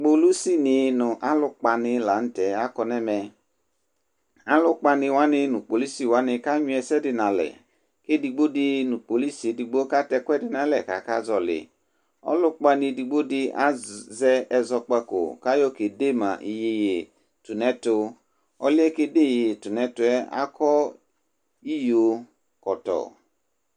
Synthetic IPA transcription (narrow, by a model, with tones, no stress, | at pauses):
k͡po˧lu˦si˦˨nɪ˧nʊ˨ʔa˦lʊ˧k͡pa˧nɪ˧la˨˦n̩˦tɛ˨a˦kɔ˧nɛ˦mɛ˧ | a˦lʊ˦k͡pa˧nɪ˧wa˦nɪ˧nu˨k͡po˨li˦si˨wa˨˦nɪ˧ka˦ɲũ˧˦ɛ˧sɛ˦dɪ˧na˨lɛ̰˨ | ke˦di˧ɡ͡bo˦di˧nu˨k͡po˨li˦si˨di˧ɡ͡bo˦ka˦tɛ˧kʷɛ˦dɪ˧na˨lɛ˨ka̰˨ka˦zɔ˧lɪ̰˨ | ɔ̰˦lʊ˦k͡pa˧ni˧di˧ɡ͡bo˦di˧a̰˦zɛ˧ɛ˧zɔ˧k͡pa˧ko̰˨ka˦jo˦ke˨de˦˨mã̰˨ʔi˨je˧je˨ | tu˨nɛ˨˦to˧ | ɔ˧li˦ɛ˦ke˧de˦˨jje˨tu˨nɛ˨˦tʊ˧ɛ˦a̰˦kɔ˦ | i˦jo˧ | kɔ˨tɔ̰˨